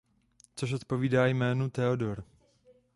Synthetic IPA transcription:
t͡soʃ̬o̞t̪po̞viːdaːjmɛːnut̪ɛodo̞ɾ

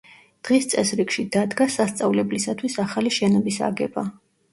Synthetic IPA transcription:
d̪̥ʁist̪sʼɛsɾikʃid̪ad̪ɡasast̪sʼavlɛblisat̪ʰwisaχaliʃɛnɔbisa̰ɡɛba

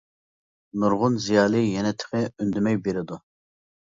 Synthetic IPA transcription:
nuɾʁʊnzijɑːlˠɨjɛnɛt̪ʰɪ̥χɛynd̪ymɛjbeɾɪd̪u

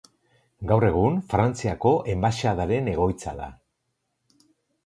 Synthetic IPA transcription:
ɡawre̞ɣ̞unfɾant͡siako̞ʔe̞mbaʃað̞aɾe̞ne̞ɣ̞o̞jt͡sa̰ða̰

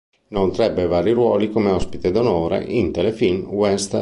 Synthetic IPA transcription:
nont̪ɾɛbːevaːɾiɾwɔːlikomeɔspit̪ed̪onoːɾḛʔint̪elefilmwɛst̪

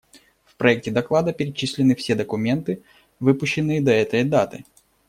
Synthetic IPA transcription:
fpɾɐɛk̚tʲɪd̪ɐklˠad̪əpʲɪɾʲɪt͡ɕisʲlʲɪnɨfsʲe̞d̪əkʊmʲe̞nt̪ɨ | vɨpʊɕːɪnːɨjəd̪ɐɛt̪əjd̪at̪ɨ̰

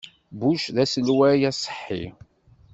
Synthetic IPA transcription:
buʃðæsəlwæjæsˤə̥ħːḭ

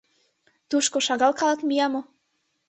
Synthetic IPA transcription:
t̪uʃkoʃɑɣɑlkɑləkmijɑmo

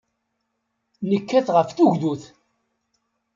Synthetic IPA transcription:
nəkːæθʁəfθuʝðuθ

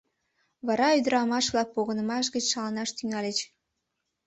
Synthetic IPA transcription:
βɑɾɑyd̪əɾɑmɑʃβlɑk̚poɣənə̆mɑʃ̬ɣət͡ɕsɑlɑnɑʃt̪yŋɑlet͡ɕ

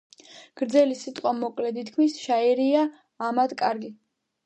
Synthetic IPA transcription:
ɡ̥ɾd̪zɛlisit̪ʼqʼwamɔkʼlɛd̪it̪ʰkʰmisʃaɛɾiaː | mad̪kʼaɾɡi

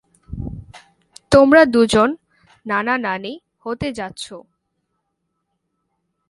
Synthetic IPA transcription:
t̪omɾad̪ud͡ʑonː | ananane | hot̪ed͡ʑatːɕʰo

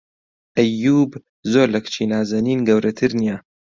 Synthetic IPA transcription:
ʔɐjːuːb | zoːɾlɐkt͡ʃʰiːnaːzɐniːnɡɐwɾʔɐt̪ʰɨɾnija

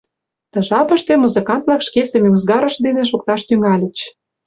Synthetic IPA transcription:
t̪ɤ̆ʒɑpə̆ʃt̪ĕmuzəkɑnt̪̚lɑkʃkesemeuzɡɑɾə̆ʃd̪enĕʃ̬ok̚t̪ɑʃt̪yŋɑlʲə̆t͡ɕ

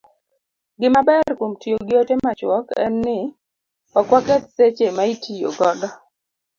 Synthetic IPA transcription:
ɡɪmabɛrkomtijoɡɪotemat͡ʃwɔkɛ̰nːɪ | ɔkwakɛt̪set͡ʃemaitʰijo̰ɡɔdɔ

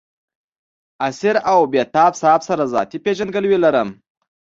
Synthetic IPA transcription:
asiɾawbet̪ɑbsɑbsaɾazɑ̰t̪ipeʒand̪ɡəlwilaɾəm

